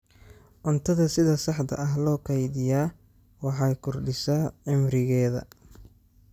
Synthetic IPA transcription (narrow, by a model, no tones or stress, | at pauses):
ʔʊnt̪ʰɐðɐsɪðɐsɑħd̪ɐ̰ɐɦlɔːkʰɐjðɪjaː | wɑħɑjkʰʊrɖɪsaʕɪmɾɪɣɛːðɐ̰